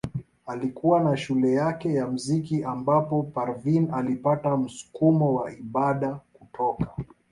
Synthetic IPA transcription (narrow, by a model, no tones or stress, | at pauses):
alikuwanaʃulɛjakɛjam̩zikiʔambapɔpaɾvinalipatam̩su̥kumɔwaiɓaɗakutʰɔkḁ